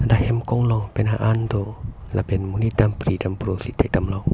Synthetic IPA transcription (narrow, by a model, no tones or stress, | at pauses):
dahɛmkɔŋlɔŋpenaʔand̪olabɛnmunit̪ampɾidampɾosit̪ʰat̪amlɔŋ